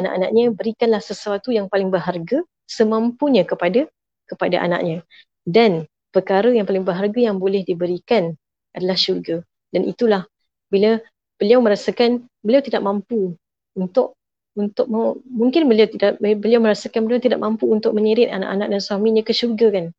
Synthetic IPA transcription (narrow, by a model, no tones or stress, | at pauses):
ana̰ʔana̰ʔɲəbəɾikanlahsəsəwat̪ujaŋpalɪŋbərɦarɡa | səmãmpuɲə̃kəpada | kəpadaʔa̰na̰ʔɲã | dan | pərkaɾəjaŋpalɪŋbərɦarɡajaŋbolɛhdibəɾikan | adalahʃurɡa | danʔḭt̪ulah | bila | b̥əliawmə̃ɾasakan | bəliawt̪idaʔ̚mãmpu | unt̪ʊʔ̚ | unt̪ʊk̚mamuŋkɪnbəliawt̪idaʔbəliawmə̃ɾasakanbəliawt̪idaʔ̚mãmpuːnt̪ʊk̚mə̃ɲiɾɪt̪ana̰ʔanaʔ̚dansuamĩɲãkəʃurɡakan